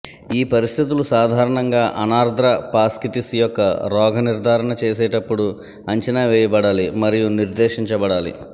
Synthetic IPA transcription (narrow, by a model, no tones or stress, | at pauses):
iːpɐɾist̪ʰit̪̬ulusaːd̪ʱaːɾɐɳɐŋɡaːʔɐnaːɾd̪ʱɾɐpaːskiʈisjɔkːɐɾɔːɡʱɐniɾd̪ʱaːɾɐɳɐt͡ʃeːsɛːʈɐpːuɽu | ɐɲt͡ʃɐnaːʋɛːjɐbɐɽaːlimɐɾijuniɾd̪ɛːʃiɲt͡ʃɐbɐɽaːlḭ